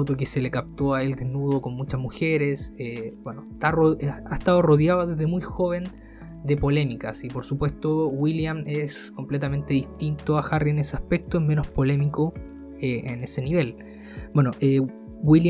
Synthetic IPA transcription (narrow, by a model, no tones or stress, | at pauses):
ot̪okeselekap̚t̪oae̞ld̪ehnuð̞oko̞nmut͡ʃasmuxe̞ɾe̞sebwenoet̪aroaet̪aðoroðjaoðezðe̞mujxoβe̞n | d̪e̞po̞le̞mikasipoɾsupwe̞st̪owiljames | ko̞mplet̪ame̞nt̪eðiht̪int̪oaxarieneseahpe̞k̚t̪oeme̞nohspo̞le̞miko | eene̞se̞niβe̞l | bwe̞noʔe | wila